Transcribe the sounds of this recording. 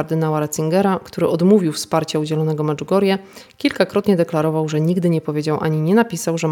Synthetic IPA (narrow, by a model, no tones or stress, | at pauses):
aɾd̪ɘnawaɾat̪siŋɡɛɾakt̪uɾɘʔɔd̪muvʲiwfspaɾt͡ɕaud͡ʑɛlɔnɛɡɔmɛt͡ʂɡɔɾjɛ | kʲilkakɾɔt̪ɲɛd̪ɛklaɾɔvawʐɛɲiɡd̪ɘɲɛpɔvʲjed͡ʑawʔa̰ɲiɲɛnapʲisawʐɛ